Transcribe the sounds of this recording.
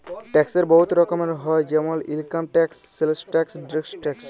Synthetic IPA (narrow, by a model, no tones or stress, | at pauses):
ʈɛkseɾbɔɦut̪ɾɔkomeɦɔed͡ʑɛmolilkamʈɛksːelsʈɛksɖɾiksʈɛks